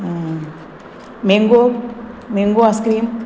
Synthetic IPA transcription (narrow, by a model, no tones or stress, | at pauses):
meŋɡomeŋɡoaskɾiːm